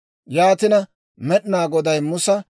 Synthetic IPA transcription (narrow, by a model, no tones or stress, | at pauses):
jaːt̪ɪnɐ | mɛɗnaːɡɔd̪ɐjmʊsɐ